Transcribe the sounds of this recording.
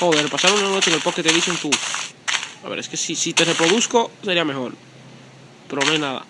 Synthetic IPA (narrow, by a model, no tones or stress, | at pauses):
hoerepasaɾunano̞t͡ʃeŋelpoket̪eðisont̪u | a̰βḛɾeskesisit̪e̞re̞pɾo̞ðusko̞se̞ɾiame̞xo̞ɾ | pe̞ɾo̞noajnaða̰